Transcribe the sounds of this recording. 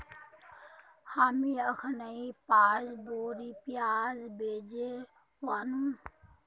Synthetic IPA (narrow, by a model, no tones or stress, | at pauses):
haːmiəkʰənəipaːzboːɾiːpjaːzbeːd͡ʒe | ʋaːnũː